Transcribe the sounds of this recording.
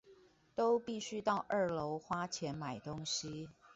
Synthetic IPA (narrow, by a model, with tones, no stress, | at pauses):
t̪o˥ʊpi˥˨ɕy˥t̪ɑ˥˧ʊʔə˥˩lo˧˥ʊxwa˥t͡ɕʰjɛ˧˥nma˨˩ɪt̪ʊ˥ŋɕi˥